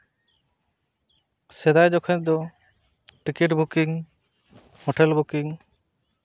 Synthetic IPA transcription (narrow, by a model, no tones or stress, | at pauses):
sɛd̪ajd͡ʒɔkʰɔ̃ɲ̚d̪ɔ | ʈikiʈbʱukiŋ | hoʈɛlbukiŋ